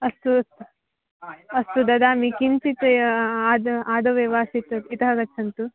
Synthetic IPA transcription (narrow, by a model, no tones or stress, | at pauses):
ɐst̪ut̪ | ɐst̪ud̪ɐd̪aːmikint͡ʃit̪aːd̪ɐaːd̪ɐʋeʋaːsit̪ɐit̪ɐɦɐɡɐt͡ʃʰːɐnt̪u